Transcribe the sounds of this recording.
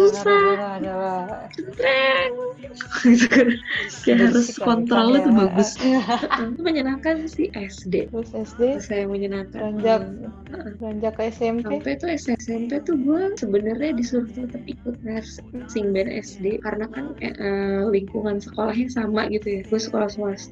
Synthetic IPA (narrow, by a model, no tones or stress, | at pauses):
susa | t͡ʃənt̪ɾɛŋ | ɡit̪ukanjaɦaɾʊskɔnt̪ɾolat̪ubaɡʊsat̪uməɲənakansiʔɛsdesɛsdesajaməɲənaka̰ɲd͡ʒak | əʔəaɲd͡ʒakːɛsɛmampɛt̪uɛsɛsɛmpet̪ubuasəbənərɲadisuɾʊht̪ət̪əp̚ikʊt̪̚has | siŋbɛnʔɛ̰sdekaɾənakan̰ʔəliŋkuŋansəkolahɲasama̰ɡit̪ujaɡusəkolahsuas